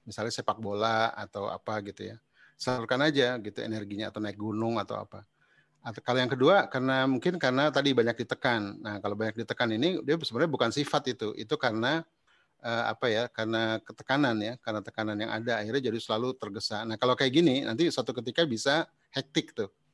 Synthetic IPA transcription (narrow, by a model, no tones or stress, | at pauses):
misalɲasepak̚bolaa̰t̪awa̰paɡit̪uja | səurkanad͡ʒaɡit̪uḛnɛrɡiɲa̰ːt̪awnaɪk̚ɡunʊŋat̪a̰wa̰pa | akalojaŋkəduakarənamuŋkɪnkaɾənat̪adibaɲak̚dit̪əkanːahkalobaɲak̚dit̪əkaninidiasəbənaɲabukansifat̪it̪uʔḭt̪ukaɾəna | ʔəa̰pajakarənakət̪ə̥kananjakarənat̪ə̥kananjaŋʔa̰daːirɲad͡ʒadisəlalut̪ərɡəsanahkalokajaʔɡininʔa̰nt̪̬isat̪uk̬ət̪̬ikabisa | hɛk̚t̪ɪk̚t̪u